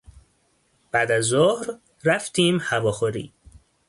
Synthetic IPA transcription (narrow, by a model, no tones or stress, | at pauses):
b̥æːd̪æzːohɾ | ɾæft̪ʰiːmhævɒːxoɾḭː